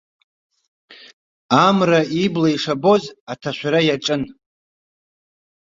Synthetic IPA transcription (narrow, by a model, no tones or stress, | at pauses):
amraiblaiʂabo̞zatʰaʃʷᶣaɾajaʈ͡ʂʼɨn